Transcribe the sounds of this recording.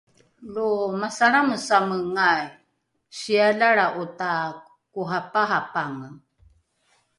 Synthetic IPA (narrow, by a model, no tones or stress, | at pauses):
lumasaɾaməsaməŋaj | ɕiaɮaɺaʔuta | kuɦapaɦapaŋə